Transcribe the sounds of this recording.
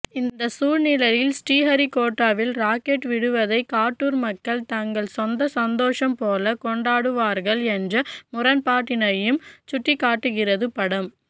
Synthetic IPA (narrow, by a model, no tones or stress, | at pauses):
ɪnd̪ɐsuːɾnɪlɐɾɪlsʈiːɦɐɾikoːʈːaːʋɪlɾaːkeʈʋɪɽɯʋɐðɐɪkaːʈːuːɾmɐkːɐɭt̪ɐŋɡɐɭsɔnd̪ɐsɐnd̪oːʂɐmpoːlɐkɔɳɖaːɽɯʋaːɾɣɐɭɛndrɐmʊɾɐnpaːʈːɪnɐjɯmt͡ʃʊʈːikːaːʈːɯɣɪrɐðɯpɐɽɐm